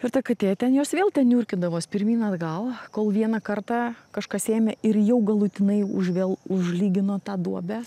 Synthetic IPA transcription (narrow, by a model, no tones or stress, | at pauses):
ɪrt̪ɐkɐt̪ʲeːt̪ʲɛnjoːsʋʲeːlˠt̪ʲɛnnʲuːɾʲkʲɪd̪ɐʋoːspʲɪɾʲmʲiːnɐd̪ɡɐlˠkoːlˠʋʲiɛnɐkɐrt̪ɑːkɐʃkɑseːmʲɛɪrjɛʊɡɐlˠʊt̪ʲɪnɐɪʊʒʋʲeːlˠʊʒʲlʲiːɡʲɪnoːt̪ɑːd̪uɔbʲæ